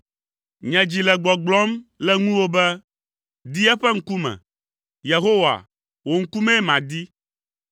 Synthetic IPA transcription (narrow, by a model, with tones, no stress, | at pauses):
ɲɛ̃˨d͡ʑi˨lɛ˨ɡ͡bɔ˨ɡ͡blɔ˦mlɛ˦ŋũ˦wo˦bɛ˦ | d̪i˦ɛ˦ɸɛ˦ŋ̩˦ku˦mɛ̰̃˨ | je˨ɦo˦wa̰˨ | wo˨ŋ̩˦ku˦mɛ̃˦mã˨d̪i˦